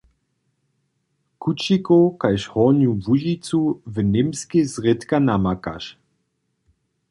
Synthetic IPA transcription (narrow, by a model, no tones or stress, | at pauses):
kut͡ʃikokajʃhɔnjuvuʒit͡suvənɪmskezʁɪt̪kanamaka̰ʃ